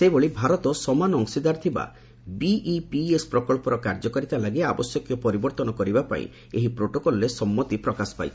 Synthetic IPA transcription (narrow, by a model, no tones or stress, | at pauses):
sebɔɭibʱaɾɔt̪ɔsɔmanɔɔŋsid̪aɾt̪ʰiba̰ | biipiespɾɔkɔɭpɔɾɔkaɾd͡ʒɔkaɾit̪alaɡeabɔsjɔkjɔpɔɾibɔɾt̪ɔnɔkɔɾibapa̰ḭ̃ | eɦipɾoʈokɔlɔɾesɔmːɔt̪ipɾɔkasɔ̥pa̰jt͡ʃʰ